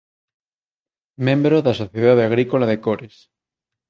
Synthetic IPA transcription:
mẽmbɾoðasoθjeðaðeaɣɾikolaðekoɾes

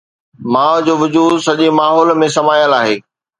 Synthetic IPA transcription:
mãːʋd͡ʑoːʋʊd͡ʑuːd̪sɐʄimaːɦɔːlmẽsɐmaːjəlaːɦeː

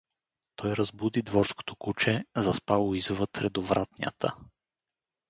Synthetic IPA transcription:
t̪ʰɔjɾɐzbud̪id̪vɔɾsko̥t̪o̥kut͡ʃɛzɐspavˠoizvət̪ɾɛd̪ovɾat̪nʲiə̰t̪ʰə̰

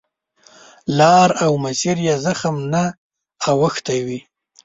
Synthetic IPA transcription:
lɑːɾawmasiɾjazaxəmnaː | wəxt̪ajwi

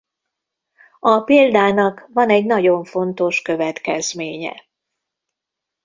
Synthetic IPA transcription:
ɒpeːld̪aːnɒkvɒnɛɟnɒɟo̞ɱfo̞nt̪o̞ʃkøvɛt̪kɛzmeːɲɛ̰

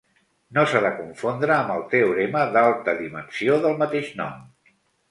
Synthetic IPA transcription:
nosaðəkuɱfond̪ɾəːmbəlˠt̪euɾeməðalˠt̪əðimənsioðəlˠmət̪eʃnɔ̰m

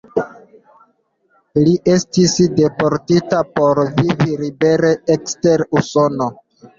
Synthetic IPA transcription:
liʔe̞stisde̞poɾtitapo̞ɾviviɾibe̞ɾeekste̞ɾusono̞

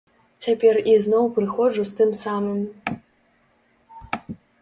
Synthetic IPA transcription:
t͡sʲʰapʲeriznowprɨxɔʐust̪ɨmsaːmɨm

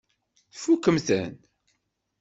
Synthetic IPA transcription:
θfukːəmθə̰n

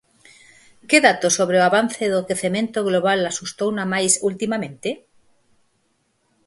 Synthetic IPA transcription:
keðat̪osoβ̞ɾeoaβan̟θeðokeθemẽnt̪oɣ̞loβ̞alasust̪ownamajsult̪imamẽnt̪e

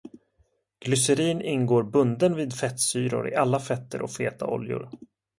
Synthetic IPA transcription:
ɡ̥lʏsəɾiːnɪnɡoːɾbɵnd̪ənviːd̪fɛt̪syːɾʊ̰ɾɪ̰ʔalːafɛt̪ːəɾʔɔkfeːt̪a̰ɔ̰ljʊ̰ɾ

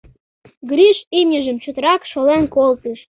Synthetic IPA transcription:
ɡɾiʃimjəʒəmt͡ɕot̪əɾɑkʃolenkolt̪əʃ

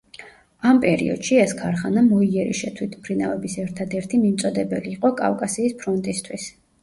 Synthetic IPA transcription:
ampʼɛɾḭɔ̰d̪̥ʃiɛskʰaɾχanamɔiɛɾḭʃɛt̪ʰwit̪ʰmpʰɾina̰vɛbisɛɾt̪ʰad̪ɛɾt̪ʰimimt̪sʼɔd̪ɛbɛliːqʼɔkʼa̰fkʼasiːspʰɾɔnt̪ʼist̪ʰwis

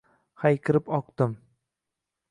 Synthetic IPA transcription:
hajkʲʰɪɾɪpɒq̚t̪ɪm

